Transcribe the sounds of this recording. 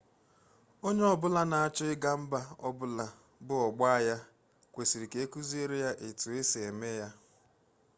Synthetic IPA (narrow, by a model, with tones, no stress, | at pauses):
o˦ɲe˦ɔ˨bʊ˦la˦na˨a˦t͡ʃɔ˦ɪ˦ɡa˦m̩˦ba˦ɔ˦bʊ˦la˨ | bʊ˦ɔ˨ɡ͡ba˦a˦ja˦ | kʷe˨si˨ɾi˨ke˨e˦ku˦zi˦e˦ɾe˦ja˦ʔe˨tu˨e˦se˨e˨me˦ja˦